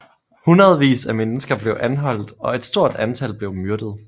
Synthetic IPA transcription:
hunʁɐð̞̩ˠʋḭːsæmenəsɡ̥ɐb̥le̝ʊʔænɦɒ̽l̰d̥ɒ̽e̝d̥sd̥o̝ɐ̰d̥ænt͡sʰælb̥le̝ʊmyɐd̥ð̞̩ˠ

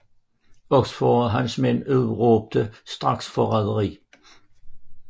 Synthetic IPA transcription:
ɔɡsfɔɦænsmenʉðˠʁoːb̥̚d̪̥əsd̪̥ʁɑɡ̥sfɒʁɛðˠəʁḭː

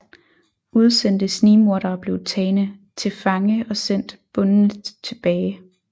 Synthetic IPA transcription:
ʔuð̞ˠsen̰d̥əsniːmo̝ɐɾ̥ɐːb̥le̝ʊt͡sʰɛːnət͡sʰe̝fɑ̈ŋəɒ̽sen̰d̥b̥ɔ̽nn̩t͡sʰe̝b̥ɛːɪ

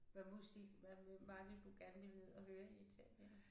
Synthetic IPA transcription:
ʋæmusiɡ̥ʋæʋɑ̈ʋed̥uɡ̥æɐnʋele̝ð̰ˠɒhøːɐet͡sʰɛb̥ɐn

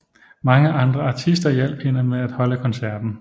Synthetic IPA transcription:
mɑ̈ŋəʔɑ̈nd̥ʁɐɑ̈t͡sʰisd̥ɐjel̰b̥̚ʰe̝nɐmeæd̥hɒ̽ləkʰɒ̽nsæɐ̰d̥n̩

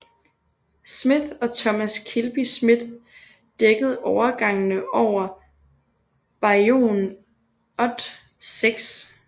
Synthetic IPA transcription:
smiðɒ̽t͡sʰɒ̽mæskʰilb̥ismið̥ˠ | d̥eɡ̥əð̞̩ˠɒʊɐɡ̥ɑ̈ŋənəʔɒʊ̰ɐ | b̥ɑ̈o̝̰ːn | ɒ̽d̥ | seɡ̥s

